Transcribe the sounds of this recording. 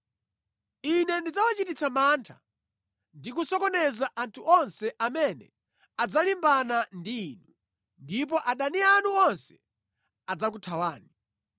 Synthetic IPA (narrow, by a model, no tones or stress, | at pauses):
inɛndid͡zawat͡ʃitit͡samaːntʰa̰ | ndikusɔkɔnɛzaʔantʰuɔnsɛʔamɛnɛ̰ | ad͡zalimbanandiːnu | ndipɔʔaɗanianuɔnsɛ̥ | ad͡zak̬utʰawaːni